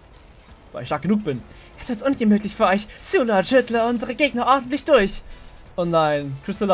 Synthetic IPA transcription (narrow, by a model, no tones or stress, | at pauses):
va̰ːlɪçʃtaːk̚ɡənuːk̚b̥ɪn | ʔɛsv̥ɪɐtsʔʊnɡəmyːtlɪçfyːɐʔɔʏçsulaʒʏtləʊnzəʁəɡeːɡnɐʔɔɐdn̩tlɪçd̥ʊɐç | ʔɔnlaɪnkʰʁ̥ɪstola